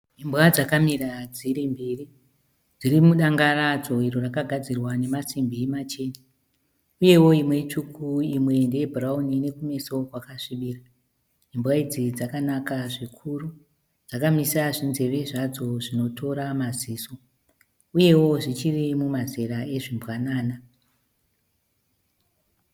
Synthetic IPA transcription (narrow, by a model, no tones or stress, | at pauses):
imbwad͡zakamirad͡ziɾimbeːri | d͡zirimuɗaŋɡarad͡zo̞iɾorakaɡʱad͡zirwane̞masimbimat͡ʃe̞ːni | uje̞wo̞imwe̞t͡ʂukʰuimwe̞ndeebʱuraunine̞kume̞so̞kwakaʂiɓiːra | imbwaid͡zid͡zakanakaʐikʰuru | d͡zakamisaʐinze̞ʋe̞ʐad͡zo̞ʐino̞to̞ɾamaziːso̞ | uje̞wo̞ʐit͡ʃirimumaze̞ɾaeʐimbwanaːna